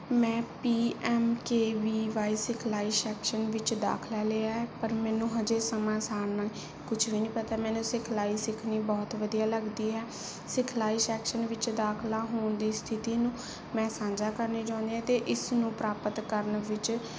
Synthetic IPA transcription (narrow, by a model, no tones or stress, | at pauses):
mɛ̃ːpiːɛːmkeːʋiːʋaːiːsɪkʰlaːiːsɛːkʃənʋɪt͡ʃd̪a̰ːkʰlaːleːaːɦɛːpəɾmɛ̃ːnũːɦəd͡ʒeːsəmãːsaːɾna | kʊt͡ʃʰʋiːnĩːpət̪aːmɛ̃ːnũːsɪkʰlaːiːsɪkʰniːbɔːt̪ʋəd̪ijaːləɡd̪iːɦɛː | sɪkʰlaːiːsɛːkʃənʋɪt͡ʃd̪aːkʰlaːɦoːɳd̪iːst̪ʰɪt̪iːnũː | mɛ̃ːsãːɲd͡ʒaːkəɾniːd͡ʒãːnd̪iɦɛ̃ːt̪eːʔɪsnũːpɾaːpət̪kəɾənʋɪt͡ʃ